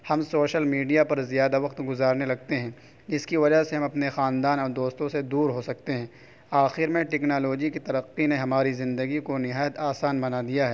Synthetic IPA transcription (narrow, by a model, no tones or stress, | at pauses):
hɐmsoːʃəlmiːɖijapɐɾzijaːd̪aʋɐqt̪ɡʊzaːɾnelɐɡ̚t̪eɦɛ̃ː | d͡ʒɪskiʋɐd͡ʒaseɦɐ̃mɐpnexaːnd̪aːnɔːɾd̪oːst̪õsed̪uːɾɦosɐk̚t̪eɦɛ̃ː | aːxɪɾmẽʈɛːknaːloːd͡ʒikit̪ɐɾəqːineɦɐmaːɾizɪ̃nd̪əɡikonɪɦaːjət̪aːsaːnbɐnad̪ijaɦɛː